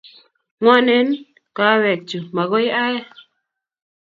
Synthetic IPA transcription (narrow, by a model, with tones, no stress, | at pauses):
ŋwɔ˦nɛ˦n | ka˨˦wɛ˨t͡ʃu˨ma˨ɣo˦jʔa˦ja˦